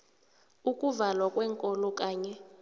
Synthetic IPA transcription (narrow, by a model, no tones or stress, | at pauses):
ukʼuvalwakʼwɛːŋkʼɔlɔkʼaːɲɛ